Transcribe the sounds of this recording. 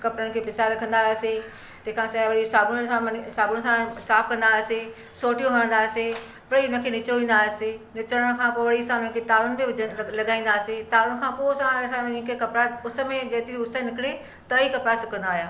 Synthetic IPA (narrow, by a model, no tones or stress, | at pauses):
kɐpɾəɽ̃̆kʰeːpɪsaɾɐkʰə̃nd̪ase | t̪ɐ̃ːkʰãːsɐʋɐɽisaːbʊsãsaːbʊɽ̃sãsaːfʰkɐ̃nd̪aːse | soːʈijõʋɐɽ̃ə̃nd̪aːse | ʋɐɽiʊnə̃kʰeːnɪt͡ɕɾoʋĩːnd̪aːsenɪt͡ɕɾəɽ̃kʰãpoːʋɐɽiɐsãnə̃kʰet̪aːlʊn̆biʊlɐɡaːĩnd̪aːset̪aːlʊɽ̃kʰãposãɐsãɪ̃kekɐpɾaʊsə̆mẽd͡ʑɐɦt̪iɾiʊsənɪkɪɽe | t̪ɐikɐpɾasʊkə̃nd̪aːɦjaː